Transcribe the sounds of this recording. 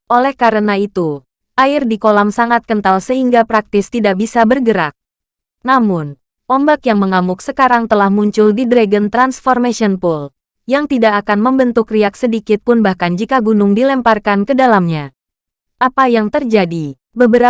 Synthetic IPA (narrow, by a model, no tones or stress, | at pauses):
ʔolɛhkaɾənait̪u | ʔaɪrdikolamsaŋat̪̚kənt̪alsəɦiŋɡapɾak̚t̪ɪst̪idak̚bisabərɡəɾa̰k̚ | namʊn | ɔmbakjaŋməŋamʊk̚səkaɾaŋt̪əlahmuɲt͡ʃʊldidɾaɡənt̪ɾansfɔrmasiɔnpʊl | jaŋt̪idakːkanməmbənt̪ʊkriak̚sədikɪt̪̚pʊnbahkand͡ʒikaɡunʊŋdilɛmparkankədalamɲa | ʔapajaŋt̪ərd͡ʒadi | bəbəɾa